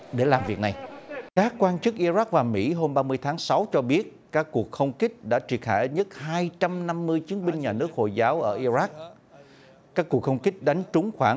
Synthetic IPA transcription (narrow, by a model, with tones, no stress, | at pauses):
ɗe˧˩laː˨˩mvi˨˩ək̚na˨˩jkaː˦˥kːwaː˧nt͡ɕɨ˦˥k̚ʔi˧za˦˥k̚vaː˨˩mḭ˧˥ɦo˧mɓaː˧mɨ˧əjt̪ʰaː˨˦ŋsa˨˦wt͡ɕɔ˧ɓi˦˥ət̚kaː˦˥kːu˨˩ək̚xə˧wŋ͡mkï˦˥k̟̚ɗa̰ː˧˥t͡ɕi˨˩ənxa̰ː˧˩jɲə˦˥t̚haː˧jt͡ɕa˧mna˧mːɨ˧əjt͡ɕi˨˦ənɓï˧ŋ̟ɲaː˨˩nɨ˦˥ək̚ho̰˧˨˩jzaː˨˦wʔəː˧˩ʔi˧za˦˥k̚ | kaː˦˥kːu˨˩əkxə˧wŋ͡mkï˦˥k̟̚ɗa˨˦jŋ̟t͡ɕʊ˨˦ŋ͡mxwaː˧˩